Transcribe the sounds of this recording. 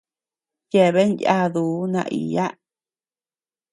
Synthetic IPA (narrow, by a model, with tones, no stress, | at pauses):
je˧˨βe˦nja˦ðuː˨˦nã̰˧ʔḭ˨ja˦